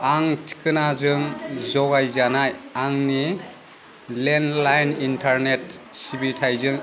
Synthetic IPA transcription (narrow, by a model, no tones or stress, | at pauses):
aŋtʰi̥kɯnazɯŋzɔɡajzanajaŋni | lenlajnintʰaɾnetsibitʰajzɯŋ